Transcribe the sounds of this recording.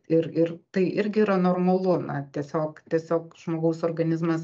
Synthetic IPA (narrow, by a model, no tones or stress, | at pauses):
ɪɾɪɾt̪ɐɪʔɪɾʲɡʲɪiɾɐnoːrmɐlˠʊnɐt̪ʲiɛsʲoːkt̪ʲiɛsʲoːkʒ̥moːɡɐʊsoːrɡɐnʲɪzmɐs